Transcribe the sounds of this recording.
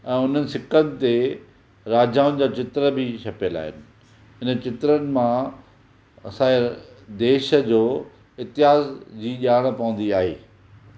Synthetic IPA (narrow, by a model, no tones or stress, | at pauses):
ɛ̃ːʊn̤ənɪ̆sɪkənɪ̆t̪e | ɾaːd͡ʑaːʋʊnɪ̆d͡ʑaːt͡ɕɪt̪ɾəbɪt͡ɕʰɐpəla̰ːɦɪnɪ̆ | ɦɪnət͡ɕɪt̪ɾənɪ̆mã | ɐsãːe | d̪eːʃə̆d͡ʑoː | ɪt̪ɪɦaːzd͡ʑiːʄaːɽ̃̆pɐʋə̃n̆d̪iaːɦḛː